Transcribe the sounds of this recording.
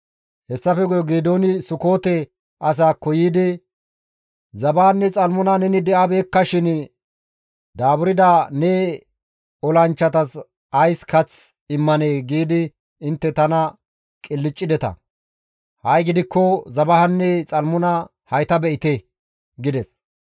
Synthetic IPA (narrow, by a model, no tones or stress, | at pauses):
hɛsːɐfɛɡɔjɔɡeːd̪o̞ːnɪsʊko̞ːt̪ɛ | ʔɐs̬aːkɔjiːd̪ɪ | zɐbanːɛt͡sʼɐlmʊnɐnɛnɪd̪ɛʔabe̞ːkːɐʃɪn | d̪aːbʊɾɪd̪aːnɛ | ɔlɐnt͡ʃːɐt̪ɐs | ɐjskɐt͡s | ɪmːɐneːɡiːd̪ɪ | ɪnt̪ːɛt̪ɐnɐ | kʼɪlːɪt͡ʃʼːɪd̪ɛt̪ɐ̰ | hɐjɡɪd̪ɪkːɔzɐbɐhɐnːɛt͡sʼɐlmʊnɐ | hɐjt̪ɐbɛʔɪt̪ɛ | ɡɪd̪ɛs